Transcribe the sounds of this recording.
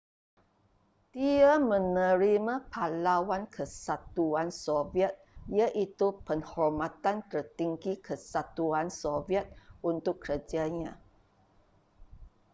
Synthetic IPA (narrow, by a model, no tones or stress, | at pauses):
d̪̥iamə̃nə̃ɾimãpʰalawankʰəsat̪uansoviɛt̪̚jaʔit̪upəŋhɔrmãt̪ant̪ərt̪iŋɡikʰəsat̪uansoviɛt̪̚unt̪ʊkːəɾəd͡ʒaɲã